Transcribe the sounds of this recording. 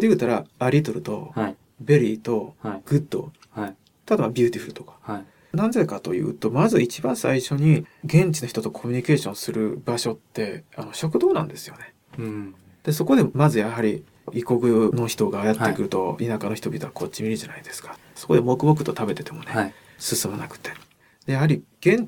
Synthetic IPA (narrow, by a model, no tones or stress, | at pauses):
d̪eɯ̟ːt̪aɾaaɾʲit̪oɾɯ̟t̪o̞̰ | be̞ɾʲiːt̪o̞ɡ̥ɯ̟d̪ːo̰ | t̪ad̪aβabʲɯ̟ːt̪ʲiɸɯɾɯ̟t̪o̞kḁ | nãnzekat̪o̞jɯ̟̰ːt̪o̞mazɨit͡ɕibãɰ̃sa̰iɕo̞ɲ̟iɡẽ̞ɲ̟t͡ɕino̞çi̥t̪o̞t̪o̞kʰo̞mʲiɲ̟ike̞ːɕõ̞sɨɾɯ̟baɕo̞t̪ːe̞ano̞ɕo̞kɯ̟d̪o̞ːnã̰nd̪e̞sɨ̥jo̞ne̞ | d̪̥e̞so̞ko̞d̪e̞mazɨjaɦaɾʲi | ʔiko̞ɡɯ̟no̞çi̥t̪o̞ɡaːjat̪ːe̞kɯ̟ɾɯ̟t̪o̞̰inakano̞çi̥t̪o̞bʲit̪o̞βakʰo̞t͡ɕːimʲiɾɯʑanaid̪e̞sɨ̥kḁ | so̞ko̞d̪e̞mo̞kɯbok̬ɯ̟̥t̪o̞t̪abe̞t̪e̞t̪e̞mo̞ne | sɨsɨmanakɯ̥t̪e̞̥ | d̪̥e̞jaɦaɾʲiɡ̥ẽ̞ɲ̟